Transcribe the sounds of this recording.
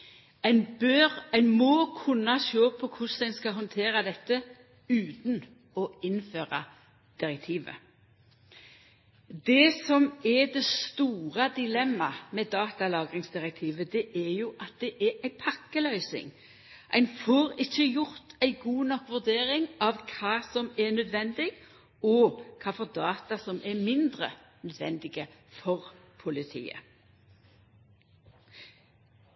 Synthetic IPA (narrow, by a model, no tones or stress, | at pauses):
æɪnbøʁæɪnmɔːkʰʉnːɑʃoːpʰɔkʰʊsd̪æɪnskɑɦɔnt̪ʰeːɾɑd̪ɛt̪ːə | ʉːt̪n̩ | ɔɪnføːʁɑ̰ | d̪̥ɪɾɛk̚t̪ʰiːʋə̰ | d̪ɛsɔmɛd̪ɛst̪uːʁɑd̪ɪlɛmːɑmɛd̪ɑːt̪ɑlɑːɡɾɪŋsd̪ɪɾɛk̚t̪ʰiːʋəd̪ɛʔɛɾjʊʔɑt̪̚d̪ɛʔɛʔæɪpʰɑkːəlœʏsɪ̰ŋ | ʔæ̰ɪnfoːɾɪçːəjʊʁt̪ʰæɪɡuːnɔkʋʉʁd̪eːɾɪŋɑʋkʰɑːsɔmɛnœd̪ʋɛnd̪ɪɡ | ɔkʰɑːfɔʁd̪ɑːt̪ɑsɔmʔɛmɪnd̪ʁə̰nœd̪ʋɛ̰nd̪ɪɡəfɔʁpʰʊlɪt̪ʰḭːə̰